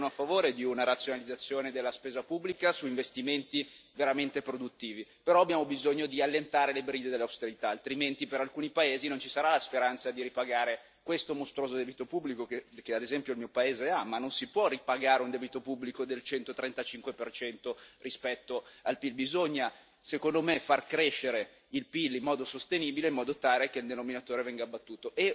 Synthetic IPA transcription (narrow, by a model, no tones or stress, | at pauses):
noafːavoːɾed̪iunaɾat̪sjonalid̪zat̪sːjoːned̪elːaspeːzapubːlikasuiɱvest̪iment̪iveɾament̪epɾod̪ut̪ːiːvipeɾɔabjaːmobizoɲːod̪ialːent̪aːɾelebɾiːd̪ed̪elːawst̪eɾit̪aːlt̪ɾiment̪ipeɾalkuːnipaeːzinont͡ʃi̥saɾalaspeɾant̪sad̪iɾipaɡaːɾe | kwest̪omost̪ɾoːzod̪ɛːbit̪opubːlikokekead̪ezɛmpjoilmiːopaeːzeamanːonsipwɔripaɡaːɾeund̪ɛːbit̪opubːlikod̪elt͡ʃɛnt̪ot̪ɾent̪at͡ʃiŋkwepert͡ʃɛnt̪orispɛt̪ːoalpilbizoɲːa | sekond̪omefarkɾeʃːeɾe | ilpilːimːɔːd̪osost̪eniːbileimːɔːd̪ot̪aːɾekeild̪enominat̪oːɾevɛŋɡaːbːat̪ːuːt̪oʔe